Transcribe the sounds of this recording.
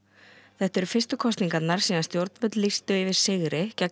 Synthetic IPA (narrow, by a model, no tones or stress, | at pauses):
θɛht̪ɛɾʏfɪst̪ʏkʰɔst̪niŋkat̪nːaɾ̥siːðanst̪jowɾt̪nvœt̪list̪ʏɪvɪð̥sɪɣɾɪcɛ